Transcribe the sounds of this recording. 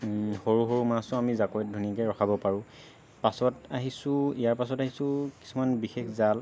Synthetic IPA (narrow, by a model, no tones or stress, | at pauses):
xoɹuɦoɹumasʊ̃amizakojt̚dʱunikɛɹɔxʰabɔpaɹʊ̃ | pasɔtaɦisʊ̃ijaɹpas̬ɔtaɦisʊ̃ki̥sumanbixekzal